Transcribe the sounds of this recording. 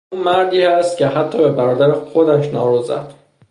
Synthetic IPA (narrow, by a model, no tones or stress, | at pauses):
unmæɾd̪iːæst̪cʲʰe̞ɦæt̪ʰːɒːbebæɾɒːd̪æɾexod̪æʃnɒːɾuzæ̰d̪̥